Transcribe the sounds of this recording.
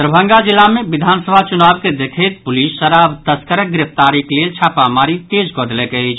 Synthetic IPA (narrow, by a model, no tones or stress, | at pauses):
t̪ɾəbʱə̃ŋɡad͡ʒɪlːamẽʋɪd̪ʱaːnsəbʱat͡ʃʊnaːbked̪ekʰet̪̚pʊliːsːəɾabt̪əskəɾəɡɾɪft̪aːɾikleːlt͡ʃʰaːpamaːɾit̪eːd͡ʒɡod̪lekeɦid͡ʒ